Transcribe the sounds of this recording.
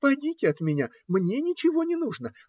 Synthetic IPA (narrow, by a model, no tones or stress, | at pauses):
pɐdʲitʲɪɐt̪mʲɪnʲa | mnʲenʲɪt͡ɕɪvo̞nʲɪnuʐnə